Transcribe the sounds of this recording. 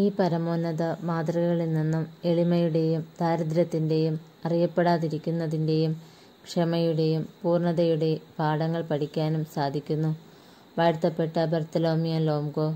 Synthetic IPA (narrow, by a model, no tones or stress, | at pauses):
iːpɐɾɐmo̞ːnːɐðɐmaːd̪rɐɣɐɣɐɭilninːume̞ɭimɐjuɽe̞jumt̪aːɾɐd̪ɾɐt̪ːinde̞jum | ɐrijɐpːe̞ɽaːðiɾikʲːunːɐðinde̞jum | kʂɐmɐjuɽe̞jumpuːrɳɐðɐjuɽe̞paːɽɐŋːɐɭpɐʈʰikʲːaːnumsaːd̪ʱikʲːunːu | ʋɐːɻt̪ːɐpːe̞ʈːɐbɐrt̪ːɐlo̞ːmijɐlo̞ːmɡo̞